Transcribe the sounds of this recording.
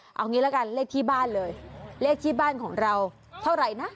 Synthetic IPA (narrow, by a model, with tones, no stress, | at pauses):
ʔa̰˨˩wŋi˧˨la˧˥ka˧˩nle˧kʰi˧ɓaː˧ləː˨˩jle˧ki˧ɓaː˧nkʰɔ˨˩˦nza˨˩w | sʰa˧wza̰˧˨jnaː˦˥